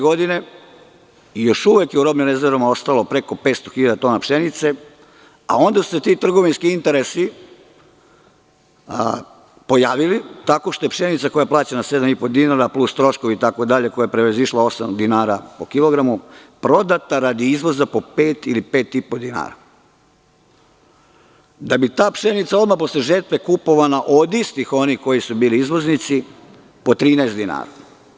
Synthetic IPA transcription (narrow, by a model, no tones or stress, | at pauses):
ɡod̪ine̞ | jo̞ʃuʋekjeuɾo̞bninezeɾomao̞st̪alˠopɾe̞ko̞pet̪st̪o̞xiʎad̪at̪o̞napʃenit̪se̞ | a̰o̞nd̪asu̥set̪it̪r̩ɡo̞ʋinskiint̪eɾesi | po̞jaːʋilit̪ako̞ʃt̪ojepʃenit̪sako̞japlaːt͡ɕenased̪amipo̞d̪inaɾaplust̪ɾo̞ʃkoʋiit̪akod̪aʎe̞ko̞jajapɾeʋeziʃlao̞samd̪inaːɾapokilo̞ɡɾamupɾo̞d̪at̪aɾad̪iizʋo̞zapo̞peːt̪ilipe̞ːt̪ipo̞d̪ina̰ːɾa̰ | d̪abit̪aːpʃenit̪sao̞d̪mapo̞sleʒeɾt̪ʋe̞kupo̞ʋanaʔo̞d̪ist̪ixo̞nihko̞jisubiːliizʋo̞znit̪si | po̞t̪ɾiːnɛest̪d̪ina̰ːɾa